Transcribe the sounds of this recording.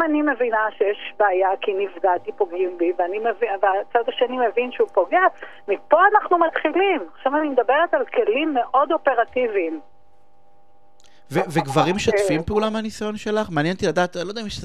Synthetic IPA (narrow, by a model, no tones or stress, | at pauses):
manime̞vinaʃejɛʃbeajakinivɡat̪ipo̞ɡimbiveanimeviveat͡sad̪aʃe̞nime̞vinʃeupoɡea | mipo̞anaχnumat̪χilimaχʃavanimed̪abe̞ʁet̪alke̞limːe̞ʔo̞do̞pe̞ʁat̪iviːm | veveɡvaʁimʃofimpeulamanisajo̞nʃe̞laχmaːnjent̪iladaːt̪lodaimʃ